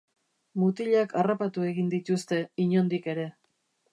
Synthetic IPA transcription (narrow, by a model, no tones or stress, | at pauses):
mut̪iʎakarapat̪ue̞ɣind̪it̪ust̪e̞iɲo̞nd̪ike̞ɾe̞